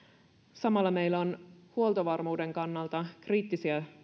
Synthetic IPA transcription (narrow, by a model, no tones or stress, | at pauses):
sɑmɑlːɑme̞jlːæonhuo̞lt̪oʋɑrmuːde̞ŋkɑnːɑlt̪ɑkriːt̪ːisiæ